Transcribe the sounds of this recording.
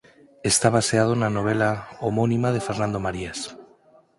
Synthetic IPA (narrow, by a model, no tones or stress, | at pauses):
est̪aβ̞aseað̞onano̞β̞elaomonimað̞e̞feɾnãnd̪omaɾias